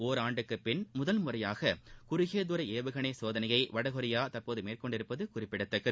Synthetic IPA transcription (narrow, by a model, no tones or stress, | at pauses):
oːɾaːɳɖɯkːɯpɪɳmʊðɐlmʊrɐjaːɣɐkʊɾɪɣeːðʊɾɐeːʋɯɣɐɳesoːðɐnɐjɐɪʋɐɽɐɣɔɾɪjaːt̪ɐrpoːðɯmeːrkɔɳɖɪɾɯpːɐðɯkʊrɪpːɪɽɐt̪ːɐkːɯ